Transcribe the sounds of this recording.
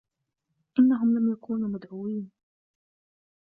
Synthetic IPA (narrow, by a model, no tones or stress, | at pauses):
ʔɪnːaɦʊmlamjakuːnuːmad̪ʕuːwiːn